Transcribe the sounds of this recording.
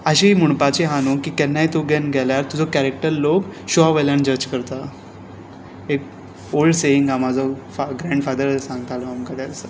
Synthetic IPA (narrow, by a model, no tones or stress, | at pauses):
əɕiːmuɽpat͡ɕiɦanokiːkɛnːait̪oɡɛnɡʱɛljaɾt̪ud͡zʱɔkæɾek̚ʈəɾlokɕuaʋəljaɳd͡ʑəd͡ʑkəɾt̪a | ek̚ | olɖseiŋɡamad͡zʱɔfaɡɾɛ̃ɳɖfad̪əɾsãŋɡət̪ʰalɔamkəd̪ɛəsə